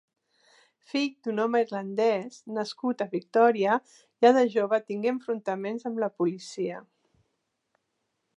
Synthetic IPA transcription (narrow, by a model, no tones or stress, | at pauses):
fiʎd̪unɔməirlənd̪ɛznəskut̪əβik̚t̪ɔɾiə | jaðəʒoβət̪iŋɡeəɱfɾunt̪əmenzəmləpulisiə